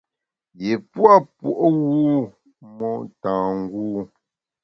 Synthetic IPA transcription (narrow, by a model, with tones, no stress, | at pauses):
je˨pwa˦pwo˨ʔɣuː˦ | mɔ˦tãː˨ŋ˦ɡuː˦